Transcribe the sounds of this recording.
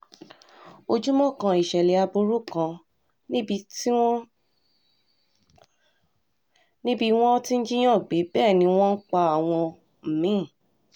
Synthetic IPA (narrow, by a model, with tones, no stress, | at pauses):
o˧d͡ʒu˦mɔ̃˦˨kã˧i˨ʃɛ˨le˨a˧bu˧ɾu˦kã˧ | ñ˦bi˧tĩ˦ | nĩ˦bi˦w̃ɔ̃˦ti˦n̩˦d͡ʒi˦j̃ã˦˨ɡ͡be˨˦bɛː˦˨nĩ˧˦w̃ɔ̃˦n̩˦k͡pa˧a˨w̃ɔ̃˧ | m̩˨mĩ˨˦˨